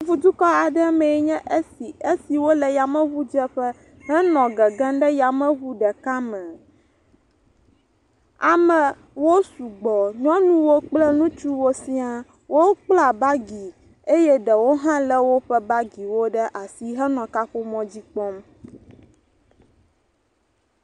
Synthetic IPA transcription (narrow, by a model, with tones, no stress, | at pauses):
vu˦d̪u˦kɔ˦a˨ɖɛ˦mɛ̃˨˦ɲɛ̃˦ʔe˦si˨e˦si˨wo˦lɛ˨ja˨mɛ̃˦βu˦d͡ʒɛ˦ɸɛ˦ | ɦɛ˦nɔ̃˨ɡɛ˨ɡɛ̃˦ɖɛ˦ja˨mɛ̃˦βu˦ɖɛ˨ka˦mɛ̃˨ | a˨mɛ̃˨ | wo˦su˨ɡ͡bɔ˨ɲɔ̃˦nũ˦wo˦k͡plɛ˦nũ˦t͡ʃu˦wo˦si˦a˨ | wʔo˦k͡pla˨ba˦ɡi˨ | e˦jɛ˦ɖɛ˨wo˦ɦã˦lɛ˦wo˦ɸɛ˦ba˦ɡi˨wo˦ɖɛ˦ʔa˨si˦ɦɛ˦nɔ̃˨ka˦ɸo˦mɔ̃˦d͡ʑi˦k͡pɔ˦m